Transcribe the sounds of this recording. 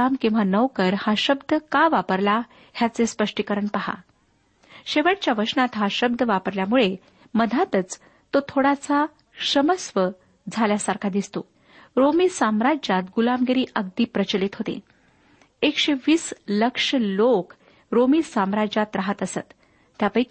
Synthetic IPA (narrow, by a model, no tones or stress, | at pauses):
amkĩw̃ʋanəʋkəɾhaɕəbd̪ʱəkaʋapəɾla | hjat͡sespəʂʈikəɾəɳpaɦa̰ | ɕeʋəʈt͡ɕjaʋəʂnat̪ɦaɕəb̚d̪ʱəʋapəɾljamuɭe | məd̪ʱat̪ət͡s | t̪ːot̪ʰoɽat͡sa | ɕəməsʋə | d͡zʱaljasaɾkʰad̪ist̪o | ɾomiːsamɾad͡ʑat̪ɡulamɡeɾiːʔəɡ̚d̪iːpɾət͡ɕəlit̪ɦot̪ḛ | ekɕeʋiːsləkʂəlok | ɾomiːsamɾad͡ʑat̪ɾaɦət̪əsət̪ː | japajk